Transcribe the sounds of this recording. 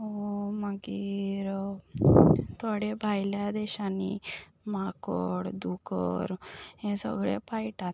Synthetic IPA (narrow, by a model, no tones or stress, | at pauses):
omaɡiɾ | t̪ʰoɽebʱajljad̪ɛɕani | makɔɽd̪ukəɾẽsə̰ɡɭepaiʈat̪